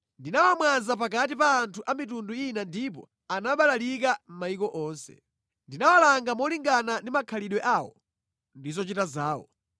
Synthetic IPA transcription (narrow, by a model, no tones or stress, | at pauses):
ndinawamwanzap̬ak̬at̬ipaːntʰuʔamitunduinandip̬ɔ̰ | anaɓalalikam̩maikɔʔɔːnsɛ̰ | ndinawalaŋɡamɔliŋɡanandimakʰaliɗwɛʔaːwɔ̰ | ndizɔt͡ʃitazaːwɔ̰